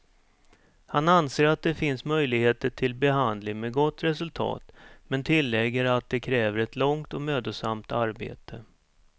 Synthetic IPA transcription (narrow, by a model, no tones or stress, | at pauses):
hananseːɾat̪̚d̪ɛfɪnsmœjlɪɡheːt̪əʈʰɪlbɛɦand̪lɪŋmɛɡɔt̪ːɾɛsɵlt̪ʰɑ̰ːt̪mɛnt̪ʰɪlːɛɡːəɾat̪̚d̪ɛkʰɾɛːvəɾɛt̪lɔŋt̪ɔmøːd̪ʊsamt̪aɾbḛːt̪ʰə